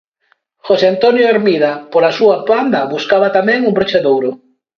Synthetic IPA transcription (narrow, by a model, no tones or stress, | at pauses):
xoseant̪onjoeɾmiðapoɾasuapand̪ɐβuskaβat̪amɛ̃ŋumbɾot͡ʃaðowɾʊ